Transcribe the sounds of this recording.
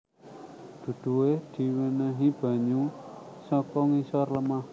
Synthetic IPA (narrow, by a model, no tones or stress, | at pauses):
d̪̥ṳd̪̥ṳwehd̪̥i̤winəɦib̥a̤ɲusɔkɔŋisɔrləmah